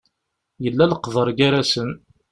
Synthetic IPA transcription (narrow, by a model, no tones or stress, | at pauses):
jəlːæləqːðˤəɾˤɡaɾæsən